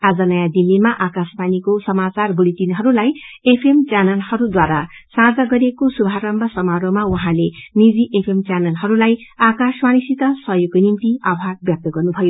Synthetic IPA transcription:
ad͡zʌnʌjãd̪ilːimaʔakaspanikosʌmat͡sarbulit̪inɦʌɾulajepʰemt͡sjanʌlhʌɾud̪waɾa | sãd͡zʌɡʌɾekosubʱaɾʌmbʱʌsʌmaɾomawuɦãlenid͡ziʔepʰemt͡sjanʌlɦʌɾulajakasmanisit̪ʌsʌɦjoɡonimt̪iabʱaɡ̚bjʌk̚t̪ʌɡʌrnubʱʌjo

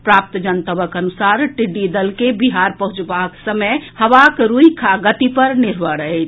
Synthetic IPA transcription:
pɾap̚t̪d͡ʒənt̪əbəkənusaɾʈiɖːid̪əlkebiɦaɾpəɦũt͡ʃbaksəməjhəʋakɾuikʰaɡət̪ipəɾniɾbəɽəjt͡ʃʰ

